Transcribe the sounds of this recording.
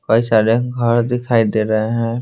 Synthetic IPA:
koːisaːɾeɡʱɐɾd̪ɪkʰaːid̪eːɾɐɦeɦɛ̃ː

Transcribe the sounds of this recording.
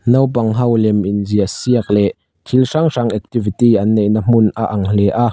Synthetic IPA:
nɐwpɐŋɦɐwlɛmʔinziəsiək̚lɛʔ | k̪ʰilʂaŋʂaŋʔɛk̚t̪ivit̪iʔɐnːejʔnəm̥ʊnʔaʔɐŋl̥ɛʔaʔ

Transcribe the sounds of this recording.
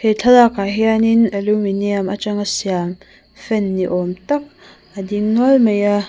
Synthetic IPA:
het͡ɬʰɐlakaɦianinɐluminiamat͡ʃaŋasiam | fɛnːiʔɔmt̪ɐk̚ | adiŋnɔlmeja

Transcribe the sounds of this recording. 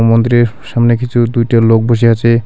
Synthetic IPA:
mont̪ɾeɾʃamnekit͡ɕʰud̪ujʈalok̚boʃ̬iat͡ɕʰe

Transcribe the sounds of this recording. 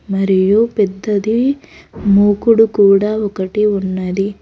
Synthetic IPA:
mɐɾijoped̪ːɐd̪i | muːkuɽukuːɽaokɐʈiunːɐd̪i

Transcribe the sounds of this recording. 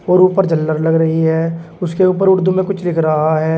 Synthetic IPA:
oːɾuːpəɾd͡ʒəlːəɾləɡɾəɦiɦɛːʊskeuːp̬əɾʊɽd̪umẽkʊt͡ʃʰlɪkʰɾəɦaɦɛː

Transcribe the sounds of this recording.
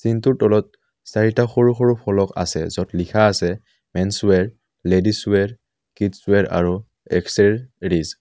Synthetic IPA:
sintuɹtɔlɔt̚ | saɹitaxoɹuxoɹupʰɔlɔka̰sɛ̰zɔtlikʰaːsɛ | mɛnsuɛɹ | ledisuɛɹ | kitsʊɛɹa̰ɹu | ɛ̰ksɛɹɹiz

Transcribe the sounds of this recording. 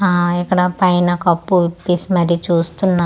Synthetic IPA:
aːɛkːɐɽɐpɐjnɐkɐpːuʋipːisimɐɾit͡ʃuːst̪unːa

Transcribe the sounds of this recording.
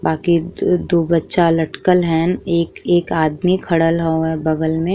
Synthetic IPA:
baːkid̪oːbətːʃalɐʈkəlɦɛːneːkeːkaːd̪mikʰɐɽəlɦooɦɛbɐɡəlmẽ

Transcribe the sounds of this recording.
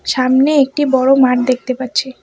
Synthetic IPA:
ʃamneek̚ʈibɔɽomaʈ̚d̪ek̚ʰt̪epatːɕʰe

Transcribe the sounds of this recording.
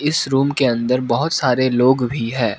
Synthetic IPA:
ɪsɾuːmkeɐ̃nd̪əɾbɐɦʊt̪saːɾeloːɡbʱiɦɛ̃ː

